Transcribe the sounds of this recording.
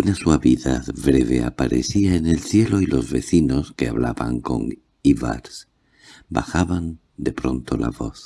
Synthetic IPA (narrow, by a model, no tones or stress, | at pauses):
unaswaβiðaðβɾeβe̞a̰paɾʔḛθiaene̞lθje̞lo̞ilo̞zβe̞θinoskeaβlaβaŋko̞̰ŋ | iβa̰ɾs | baxaβan | d̪e̞pɾo̞nt̪ola̰βoθ